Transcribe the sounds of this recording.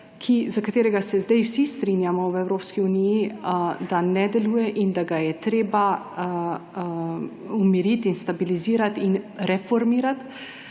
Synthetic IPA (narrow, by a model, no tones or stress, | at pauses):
kʰizakat̪eːɾɛɡasɛzd̪ɛjwsist̪ɾiːnjamɔwɛwɾoːpskiunijid̪anɛd̪ɛluːjɛʔind̪aɡajɛt̪ɾeːba | umiɾit̪inst̪abiliziːɾat̪inɾɛfɔɾmiːɾat̪